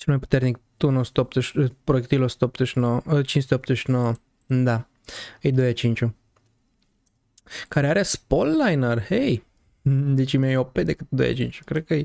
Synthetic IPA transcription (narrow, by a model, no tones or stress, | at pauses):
t͡ʃelmajpu̥t̪e̞rnikt̪uɨno̞su̥t̪əop̚t̪əʃpɾoek̚t̪ilo̞su̥t̪əop̚t̪zəʃnowəət͡ʃinsut̪eop̚t̪zəʃnowə | d̪a | əjd̪o̞jat͡ʃint͡ʃʲu | kaɾeaɾe̞spolːajnərhej | d̪et͡ʃimajoped̪ekɨt̪d̪o̰ja̰t͡ʃint͡ʃu̥kɾed̪̚kəj